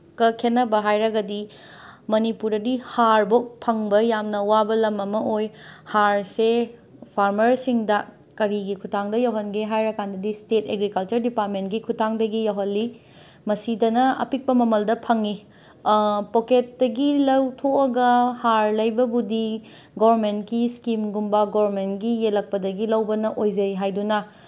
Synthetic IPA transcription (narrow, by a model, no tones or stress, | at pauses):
kɐkʰenːɐbɐɦajɾɐɡɐdi | mɐnipuɾdɐdihaɾbok̚pʰɐŋbɐjamnɐwabɐlɐmɐmɐʔojhaɾsepʰaɾmɐɾsiŋdɐ | kɐɾiɡikʰutʰaŋdɐjɐwɦɐnɡeɦajɾɐkandɐdisteteɡɾikɐlt͡ʃɐɾdipaɾ̚mentɡikʰutʰaŋdɐɡijɐwɦɐlːi | mɐsidɐnɐɐ̰pik̚pɐmɐmɐldɐpʰɐŋi | poket̚dɐɡilɐwtʰoɐɡɐhaɾlɐjbɐbudi | ɡoɐɾmentkiskimɡumbɐɡoɐɾmentɡijelɐk̚pɐdɐɡilɐwbɐnɐʔojd͡ʒɐjɦajdunɐ